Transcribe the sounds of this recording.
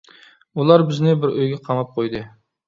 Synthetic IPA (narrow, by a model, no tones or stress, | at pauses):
ulˠɑɾbɪznɪbɪɾʔøjɡʲɛqʰɑmɑp̚qʰojd̪ɨ